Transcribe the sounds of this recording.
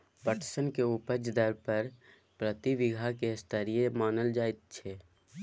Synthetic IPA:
pəʈʰsənkeupəd͡ʒd̪əɾpəɾ | pɾət̪iʋɪɡʱakest̪ʰəɾijemaːnəld͡ʒaːet̪̚t͡ʃʰɛː

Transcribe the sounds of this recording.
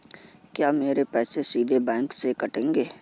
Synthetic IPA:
kjaːmeːɾepɛːsesiːd̪ʱebɛ̃ːŋksekɐʈẽːŋɡeː

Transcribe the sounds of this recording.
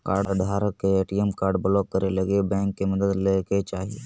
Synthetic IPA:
kaːɾɖɾɖʱaːɾəkːeeːʈijɛmkaːɾɖbəlɔːkːəɾelɐɡebɛ̃ːŋkːemɐd̪əd̪leket͡ʃaːɦie

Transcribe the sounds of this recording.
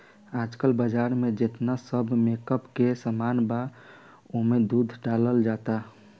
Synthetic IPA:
aːd͡ʒkəlbəd͡ʒaːɾmẽd͡ʒet̪nasəbʱmekəpkesəmaːnba | oɦmed̪uːd̪ʱɖaːləld͡ʒaːt̪a

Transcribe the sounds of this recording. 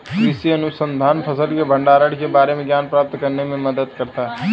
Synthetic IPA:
ɾɪsiɐnʊsə̃nd̪ʱaːnpʰəsəlkebʱə̃ɳɖaːɾəɽkebaːɾemẽɡjaːnpɾaːp̚t̪kɐɾnemẽməd̪əd̪kɐɾt̪a

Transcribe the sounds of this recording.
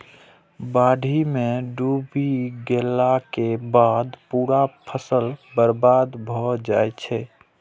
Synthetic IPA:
baɖʱimeɖubiɡelakebad̪puːɾapʰəsəlbəɾbad̪bʱɔd͡ʒaɛt͡ʃʰɛ

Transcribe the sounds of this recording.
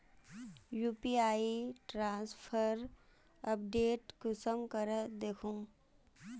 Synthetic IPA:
juːpiaːiʈɾãːnspʰəɾ | ɐp̚ɖeːʈkʊsəmkəɾəd̪eːkʰũː

